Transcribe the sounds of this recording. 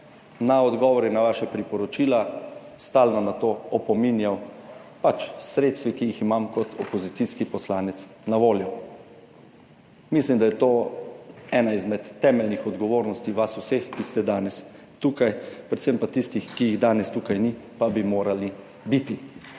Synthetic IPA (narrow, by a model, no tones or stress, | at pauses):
naɔd̪ɡɔːʋɔɾinaʋaːʃapɾipɔɾɔt͡ʃiːlast̪aːlnɔnat̪oːɔpɔminjaw | pat͡ʃsɾeːt̪st̪ʋikijiximamkɔt̪ʰɔpɔzit̪siskipɔslaːnɛt̪s | naʋoːljɔ | mislimd̪ajɛt̪oː | ɛːnaizmɛt̪ːɛːmɛlnixɔd̪ɡɔʋoːɾnɔst̪iʋasusexkist̪ɛd̪aːnɛs | t̪uːkajpɾɛt̪sempat̪ist̪ixkijiɣd̪aːnɛst̪uːkajnipabimoːɾali | bit̪i